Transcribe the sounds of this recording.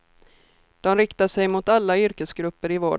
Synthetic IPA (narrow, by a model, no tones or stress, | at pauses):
d̪̥ɔmɾɪkt̪aʂɛjmʊt̪alːaʏɾkəsɡɾɵpːəɾɪvoː